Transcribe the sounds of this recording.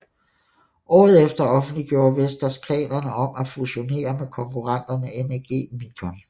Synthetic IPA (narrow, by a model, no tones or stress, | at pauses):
ʔɒ̰ːð̞̩ˠefd̥ɐɒ̽fn̩d̥liɡ̥jo̝ːɐʋesd̥ɐspʰlɛ̰ːnɐnəɒ̽mæfuɕo̝ne̝̰ːɐmekʰɒ̽ŋkʰuʁɑ̈n̰d̥ɐnəenæɡ̥e̝̰ːmiɡ̥ʰɒn